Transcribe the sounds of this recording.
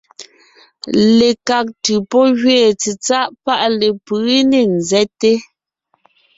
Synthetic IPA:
le˨ka˨k̚tʉ˨pɔ˦ɣɥeː˦˨t͡se˨t͡sa˦ʔpa˦ʔle˨pɯ˨˦ne˦˨n̩˨zɛ˦te˦

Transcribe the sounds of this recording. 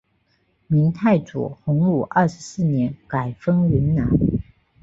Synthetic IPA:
mi˧˥ŋt̪ʰa˥˩ɪʈ͡ʂṵ˨˩xʊ˧˥ŋlu˨˩ʔɐ˥˩ʂɻ̩˧˥sɹ̩˥˩njɛ˧˥nka˨˩ɪfɤ˥ŋɥy˧˥nna˧˥n

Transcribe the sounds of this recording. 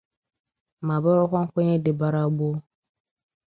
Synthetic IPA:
ma˨ba˦ɾo˦kʷɔ˦ŋ˦kʷɔ˦ɲe˦de˨ba˨ɾa˦bo˦

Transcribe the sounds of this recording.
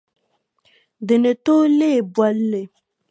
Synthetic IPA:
d̪ə˨ne˨t̪o˦le˦˨bwa˦lːe˨

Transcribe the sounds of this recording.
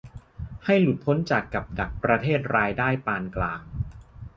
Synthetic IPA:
ha˥˩jlu˨˩t̪̚pʰo˦˥nt͡ɕa˨˩kːa˨˩p̚da˨˩k̚pɾa˧t̪ʰeː˥˩t̪̚ɾaː˧jdaː˥˩jpaː˧nklaː˧ŋ

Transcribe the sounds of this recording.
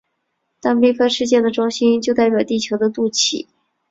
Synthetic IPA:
t̪ɑ˥˧ŋpɛ˥ɪkʰɤ˥˧ʂɻ̩˥˧t͡ɕjɛ˥˩nd̪ə˩ʈ͡ʂʊ˥ŋɕi˥nt͡ɕjo˥˧ʊt̪a˥˩ɪpʲjɑ˨˩ʊt̪i˥˩t͡ɕʰjo˧˥ʊd̪ə˧t̪u˥˩t͡ɕʰḭ˨˩˦

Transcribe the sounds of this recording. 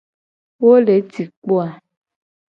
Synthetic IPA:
wo˦le˨˦ti˨k͡po˦a˨

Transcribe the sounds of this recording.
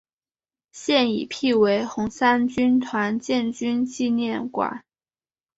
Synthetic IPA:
ɕjɛ˥˩nḭ˨˩pʰi˥˩we˧˥ɪxʊ˧˥ŋsa˥nt͡ɕy˥nt̪ʰwa˧˥nt͡ɕjɛ˥˧˩nt͡ɕy˥nt͡ɕi˥˧njɛ˥˩nkwa̰˨˩˦n

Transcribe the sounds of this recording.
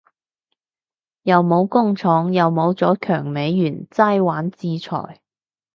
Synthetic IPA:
jɐ˨˧wmo˨˧wkʊ˥ŋt͡sʰɔː˨˥ŋjɐ˨wmo˨˧wt͡sɔː˨˥kʰœː˨˩ŋme˨˥jːyː˨˩nt͡sɐ˥jwaː˨˥nt͡siː˧t͡sʰɔ̰ː˨˩j

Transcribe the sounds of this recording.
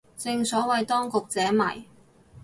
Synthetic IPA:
t͡sɪ˧ŋsɔː˨˥wɐ˨jt̪ɔː˥ŋkʊ˨k̚t͡sɛː˨˥mɐ̰˨˩j

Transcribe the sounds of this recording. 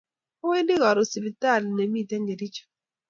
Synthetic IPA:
o˦we˦ndi˦ɣɔ˨ɾɔ˨si˨pi˨ta˦˨lnɛ˨mi˦˨tɛ˦ŋɡe˨di˦t͡ʃɔ̥˨

